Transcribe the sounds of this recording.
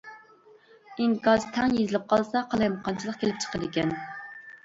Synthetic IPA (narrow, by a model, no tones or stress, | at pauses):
iŋkɑzt̪ʰɛŋjezɪlɪp̚qʰɑlˠsɑqʰɑlˠɑjmqʰɑnt͡ʃʰilˠəq̚kʲelɪp̚t͡ʃʰə̥qʰəd̪ɪkʲɛn